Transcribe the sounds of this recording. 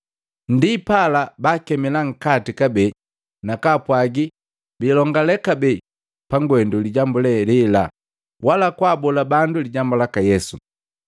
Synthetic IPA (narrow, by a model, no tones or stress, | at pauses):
ndipalabakɛmɛlaŋ̩katikabɛ | nakapwaɡi | bilɔŋɡalɛkabɛ | paŋɡwɛnduliɟambulɛlila̰ | walakwaːbɔlabanduliɟambulakajɛsu